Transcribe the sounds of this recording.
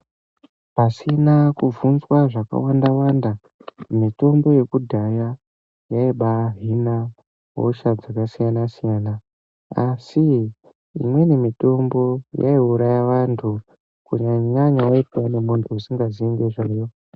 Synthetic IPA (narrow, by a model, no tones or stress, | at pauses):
pasinakuvunzwaʐaka̰wandawanda | mito̞mbo̞je̞kudʱaja | jaiɓaɦina | ɦo̰ʃad͡zakasijanasijaːna | asḭː | mwe̞nemito̞mbo̞ja̰iuɾajaʋantʰu | kuɲaɲaɲaoitwanemuntʰuusiŋɡaziiŋɡeʐajo